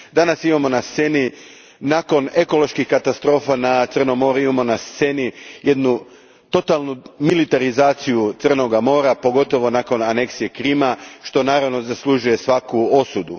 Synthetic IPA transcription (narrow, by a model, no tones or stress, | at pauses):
d̪anasimamo̞nast̪se̞ni | naːko̞ne̞ko̞lˠo̞ʃkixkat̪ast̪ɾo̞ːfanat̪sərnomo̞ɾuimamo̞nast̪se̞nije̞d̪nu | t̪o̞t̪alˠnumilit̪aɾizaːt̪sijut̪sr̩no̞ɡamo̞ːɾapo̞ɡo̞t̪o̞ʋo̞naːko̞nane̞ksije̞kɾiːmaʃt̪o̞naːɾaʋno̞zaslˠuʒuje̞sʋakuo̞sud̪u